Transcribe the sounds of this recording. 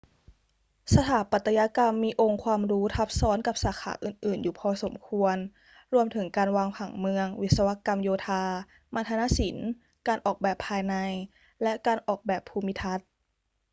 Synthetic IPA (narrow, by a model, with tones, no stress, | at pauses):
sa˧t̪ʰaː˨˩˦pa˨˩t̪ːa˧ja˧˥ka˧mːiː˧ʔo˧ŋkʰwaː˧mɾuː˦˥t̪ʰa˧˦˥p̚sɔː˨˦˥nka˧˩p̚saː˩˦kʰa̰ː˩˦ʔɯː˨˩nʔɯː˨˩njuː˨˩pʰɔː˧so˩˦mkʰu˧ən | ɾu˧əmt̪ʰɯ˩˦ŋkaː˧nwaː˧ŋpʰa˨˩˦ŋmɯ˧əŋwi˦˥t̪̚sa˧wa˧˥ka˧mjoː˧t̪ʰaː˧ | ma˧t̪ʰa˧na˧˥si˨˩˦n | kaː˧nʔɔː˨˩k̚bɛː˨˩pʰːaː˧jna˧j | lɛ˦˥ʔkaː˧nʔɔː˨˩k̚bɛː˨˩pʰːuː˧mi˦˥t̪ʰa˦˥t̪̚